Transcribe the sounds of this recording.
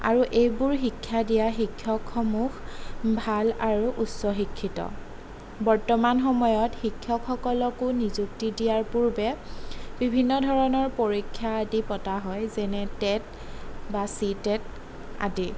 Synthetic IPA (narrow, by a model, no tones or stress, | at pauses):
a̰ɹuʔejbuɹxikʰːjadijaxikʰːjɔkxɔmuxbʱalaɹuʔutsɔxikʰːitɔ̰ | bɔɹtɔmanxɔmɔjɔtxikʰːjɔkʰxɔkɔlɔkʊnizuktidijaɹpuɹbɛbibʱinːɔdʱɔɹɔnɔɹpoɹikʰːjaːdipɔtaɦɔjzɛnɛtɛt | basitɛt̚ | a̰di